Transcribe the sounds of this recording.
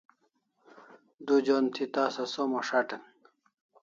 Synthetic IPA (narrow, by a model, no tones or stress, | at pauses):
d̪ud͡ʑoːnt̪ʰit̪aːsɐsomoʂaʈen